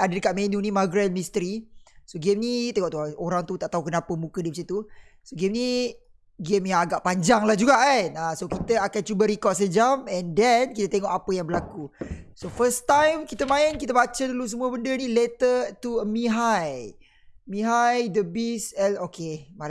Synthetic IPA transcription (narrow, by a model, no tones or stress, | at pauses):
adədəkat̪̚mẽnũnimaɡɾɛn̚mist̪əɾisoɡemnit̪eŋɔʔt̪uaoɾaŋt̪ut̪aʔt̪aɦukənapəmukədibəsit̪usoɡemni | ɡemjaaɡaʔpaɲd͡ʒaŋlahd͡ʒuɡaʔanasokit̪əakant͡ʃubaɾikɔt̪̚s̬əd͡ʒamɛndɛnkit̪ət̪eŋɔʔapəjaŋbəlakusofəst̪ãjmkit̪əmãɛnkit̪əbat͡ʃadulus̬əmuəbəndənilet̪ət̪uəmiɦaj | miɦajdəbisɛlokʰemal